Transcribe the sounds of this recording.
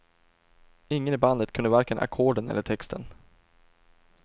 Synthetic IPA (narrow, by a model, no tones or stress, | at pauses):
ɪŋːənɪband̪ət̪kʰɵnəvaɾkəənʔa̰kʰoːɖənɛ̰lːəʈʰɛkst̪ʰə̰n